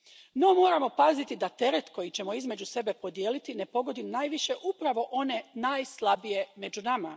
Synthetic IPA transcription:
no̞mo̞ːɾamo̞pazit̪id̪at̪e̞ɾe̞t̪ko̞jit͡ɕe̞mo̞izme̞d͡ʑuse̞be̞po̞d̪jeːlit̪ine̞po̞ɡo̞d̪inajʋiʃe̞ʔupɾaʋo̞ʔo̞ne̞naːjslˠabije̞me̞d͡ʑunama

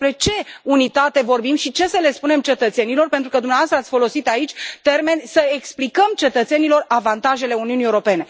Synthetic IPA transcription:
spɾe̞t͡ʃe̞unit̪at̪e̞vo̞rbimʃit͡ʃe̞səle̞spune̞mt͡ʃe̞t̪ət̪se̞nilo̞rpent̪ɾukəd̪umeavast̪əat̪sʲfo̞lo̞sit̪ait͡ʃʲt̪e̞rme̞nʲsəe̞ksplikəmt͡ʃe̞t̪ət̪se̞nilo̞ravant̪aʒe̞le̞uniuniewɾo̞pe̞ne̞

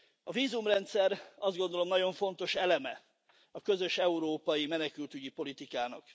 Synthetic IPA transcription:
ɒviːzumrɛnt̪sɛɾɒzd̪̚ɡond̪o̞lo̞mnɒɟo̞ɱfo̞n̪t̪o̞ʃɛlɛmɛ | ɒkø̞zø̞ʃɛuɾoːpɒjimɛnɛkylt̪yɟipo̞lit̪ikaːnɒ̰k

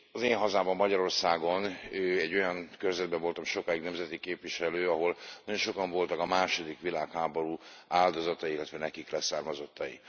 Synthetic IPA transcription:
ɒzeːnɦɒzaːbɒmːɒɟɒɾo̞rsaːɡo̞nøɛɟːo̞jɒnkørzɛd̪̚bɛɱvo̞lt̪ɒmʃo̞kaːjiɡnɛmzɛt̪ikeːpʋiʃɛløːɒɦo̞lnɒɟo̞nʃo̞kɒɱvo̞lt̪ɒkɒmaːʃo̞d̪ikʋilaːkhaːboɾuːaːld̪o̞zɒt̪ɒiilːɛt̪vʋɛnɛkiklɛsaːrmɒzot̪ʰːɒjḭ

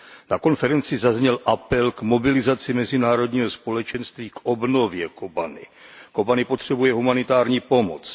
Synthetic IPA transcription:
nako̞nfɛɾɛnt͡sɪzazɲɛlʔapɛlkmo̞bɪlɪzat͡sɪmɛzɪnaːɾo̞dɲiːɦospo̞lɛt͡ʃɛnst̪viːko̞bno̞vjɛkobanɪ̰kobanɪpo̞t̪r̝̥ɛbujɛɦumanɪt̪aːɾɲiːpo̞mo̰t͡s

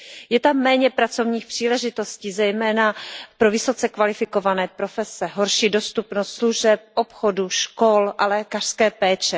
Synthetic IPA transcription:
jɛt̪amːɛːɲɛpɾat͡so̞vɲiːxpr̥iːlɛʒɪt̪o̞sciːzɛjmɛːnapɾo̞vɪso̞t͡sɛkvalɪfɪko̞vanɛːpɾo̞fɛsɛɦo̞ɾʃiːdo̞st̪upnost̪sluʒɛp̚ʔopxoduʃko̞lʔalɛːkar̥skɛːpɛːt͡ʃɛ

